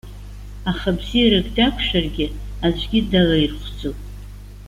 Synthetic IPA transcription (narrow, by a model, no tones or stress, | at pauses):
aχabzijɾaɡʼdakʷʰʂarɡʲɪazʷʰʼɡʲɪdalairχʷd͡zo